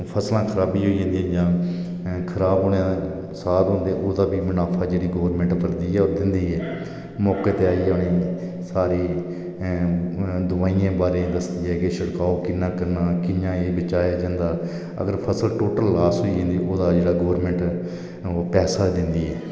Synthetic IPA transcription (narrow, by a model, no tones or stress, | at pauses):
pʰəslãːkʰəɾaːbiːɦoːiːẽːnd̪iɛːd͡ʒãː | kʰəɾaːbɦoːnã | saːɾɦõːnd̪eːʔoːd̪aːbiːmɪnaːpʰaːd͡ʒeːɽiːɡoːʋɾmɛ̃ːɳʈpəɾd̪iːɛːod̪ɪnd̪iːɛː | mɔːkeːt̪eːaːiːonẽː | saːɾeː | d̪ʊʋaːiːãːbaːɾeːd̪əsd̪iːɛːkeʃəɽkaːoːkɪnːãːkəɾnaːkɪjãːeːbɪt͡ʃaːjaːd͡ʒãːnd̪aː | ə̰ɡəɾpʰəsəlʈoːʈəlːaːsɦoːiːẽːnd̪iːʔoːd̪aːd͡ʒeːɽaːɡoːɾmɛ̃ːɳʈː | pɛːsaːd̪ɪnd̪iːɦɛː